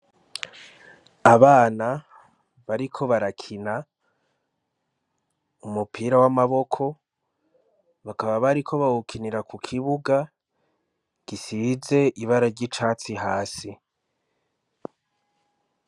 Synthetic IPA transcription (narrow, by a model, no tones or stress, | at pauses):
aβaːna | βaɾikʰo̞βaɾakʰina | umupʰiɾawamaβo̞kʰo̞ | βakaβaβaɾikʰo̞βawukʰiniɾakukʰiβuɡa | ɡ̥isize̞iβaɾaɾɟit͡ʃaːt͡siɦaːsi